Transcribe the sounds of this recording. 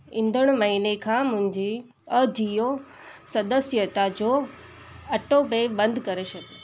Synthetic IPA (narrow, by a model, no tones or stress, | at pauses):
ɪ̃nd̪ʱəɽ̃ʊmɐɦiːnekʰãːmʊ̃ɦɪ̃ɲd͡ʑi | əd͡ʑijo | sɐd̪əsjət̪ad͡ʑoː | ɐʈobebɐ̃nd̪ʱkɐɾeʃɐbe